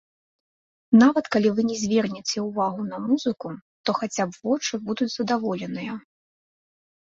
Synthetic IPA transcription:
navɐt̪kalʲivɨnʲɛzʲvʲɛrnʲɛt͡sʲɛuvaɣunɐmuzɨku | t̪ɔxat͡sʲabvɔt͡ʂɨbud̪ut͡sʲzɐd̪avɔlʲɛnɨjɐ

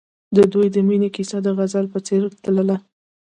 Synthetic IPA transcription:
d̪əd̪ujd̪əminekisad̪əɣazalpət͡seɾt̪ləla

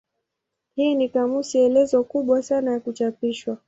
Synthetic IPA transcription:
hiːnikamusiɛlɛzɔkuɓwasanajakut͡ʃapiʃwa

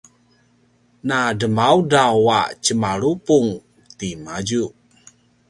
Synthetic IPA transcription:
nadəmaudawaʔt͡ʃəmalupuŋ | t̪imad͡ʒuʔ

